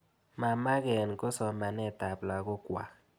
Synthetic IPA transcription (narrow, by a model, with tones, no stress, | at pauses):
ma˨ma˦ɡɛ˨nko˦sɔ˨ma˨nɛ˦ta˨plwa˨ɡɔ˦kwa̰˨